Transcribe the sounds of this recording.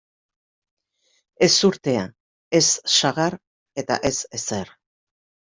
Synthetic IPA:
e̞suɾt̪e̞a | e̞sːaɣaɾ | e̞t̪a̰ʔe̞se̞se̞ɾ

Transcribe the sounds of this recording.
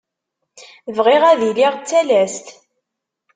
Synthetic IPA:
vʁiʁæðiliʁt͡sːælæst̪

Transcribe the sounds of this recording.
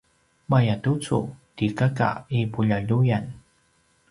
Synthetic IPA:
majatut͡sṵtikaka̰ipuʎaʎujan

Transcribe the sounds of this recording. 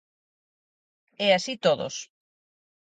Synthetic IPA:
ɛasit̪oðo̰s

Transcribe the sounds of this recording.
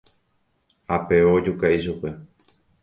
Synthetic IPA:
hape̞ʋod͡ʒukaiʃ̬upe̞

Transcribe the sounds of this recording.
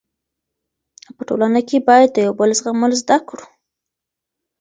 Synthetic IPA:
pəʈo̰lanakebɑjad̪̚d̪əjawbəlzɣaməlzd̪akɽu̥

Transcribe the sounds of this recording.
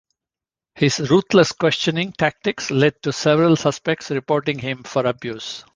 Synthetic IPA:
hɪzɾuːt̪ʰləskwɛst͡ʃə̃nɪ̃ŋʈʰæk̚ʈɪkslɛɖ̚ʈusɛʋəɾəlsʌspɛk̚ʈsɾɪpɔːɾʈɪ̃ŋhɪ̃mfɔɾəbjuːs

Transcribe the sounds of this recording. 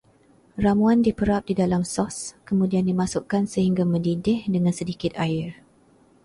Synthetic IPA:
ramũandipəɾap̚didalamsɔskəmũdiandimasʊʔkansəɦiŋɡamə̃didɪhdəŋãnsədikɪt̪aɪr

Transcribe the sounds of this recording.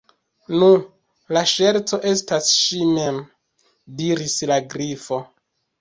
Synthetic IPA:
nu | laʃe̞ɾt͡so̞ʔe̞stasʃime̞m | diɾislaɡɾifo̞

